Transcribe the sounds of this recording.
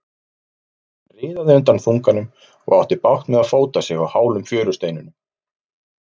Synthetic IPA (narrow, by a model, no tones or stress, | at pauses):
rɪːðaðɪʏnt̪anfuŋkanʏm | ɔ̰ɣawht̪ɪpawht̪mɛðaðfoːwt̪asjɛɣawhaːwlʏmfjœːɾʏst̪eːjnʏnʏ